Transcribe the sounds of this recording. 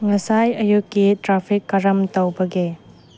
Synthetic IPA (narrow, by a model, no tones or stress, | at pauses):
ŋɐsajɐjukːitɾapʰikːɐɾɐmtɐwbɐɡe